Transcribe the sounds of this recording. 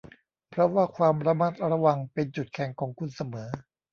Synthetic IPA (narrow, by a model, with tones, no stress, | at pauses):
pʰɾɔ˦˥waː˥˩kʰwaː˧mɾa˧ma˦˥˩t̪̚ɾa˧wa˧ŋpe˧nt͡ɕu˨˩t̪̚kʰɛ˨˩˦ŋkʰɔː˩˦ŋkʰu˧nsa˧mɤː˩˦